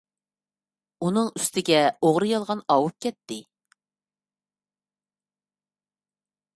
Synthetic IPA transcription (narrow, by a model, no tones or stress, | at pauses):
unɨŋyst̪ʰɪɡʲɛoʁɾɨjɑlˠʁɑnɑwup̚kʲɛt̪ːɪ